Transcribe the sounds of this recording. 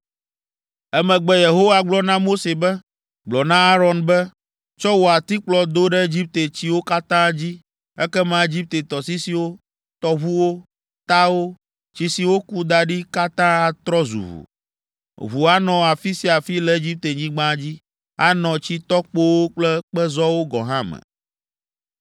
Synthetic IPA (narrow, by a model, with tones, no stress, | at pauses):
ɛ˦mɛ̃˨ɡ͡bɛ˦je˨ɦo˦wa˨ɡ͡blɔ˦nã˦mo˦se˨bɛ˦ | ɡ͡blɔ˨nã˦a˦ɾɔ˨nbɛ˦ | t͡ʃɔ˦wo˨a˨t̪i˦k͡plɔ˨d̪o˦ɖɛ˦e˦d͡ʑi˦p̚t̪e˨t͡ɕi˦wo˦ka˦t̪ã˦d͡ʑi˦ | ɛ˦kɛ˦mã˦e˦d͡ʑi˦p̚t̪e˨t̪ɔ˨si˦si˨wo˦ | t̪ɔ˨βu˦wo˦ | t̪a˦wo˦ | t͡ɕi˨si˨wo˦ku˦d̪a˨ɖi˦ka˦t̪ã˦a˨t̪ɾɔ˦zṵ˨βṵ˨ | βu˨a˦nɔ̃˨a˨fi˦si˦a˨fi˦lɛ˦e˦d͡ʑi˦p̚t̪e˨ɲĩ˦ɡ͡bã˦d͡ʑi˦ | a̰˦nɔ̃˨t͡ɕi˦t̪ɔ˦k͡po˦wo˦k͡plɛ˦k͡pɛ˦zɔ˦wo˦ɡɔ̰˨ɦã˦mɛ̰˨